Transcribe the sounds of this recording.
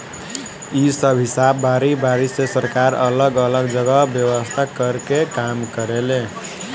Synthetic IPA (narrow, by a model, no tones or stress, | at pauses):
isəbʱɦisabːaɾibaɾisesəɾkaɾə̰ləɡələɡd͡ʒəɡəbjəwəst̪ʰakəɾkekamkəɾelẽ